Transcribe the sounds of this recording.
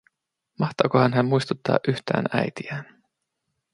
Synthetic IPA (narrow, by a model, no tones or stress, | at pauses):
mɑht̪ɑːkohɑnɦæmmujst̪ut̪ːɑ̰ːʔyçt̪æ̰ːnæ̰jt̪iæːn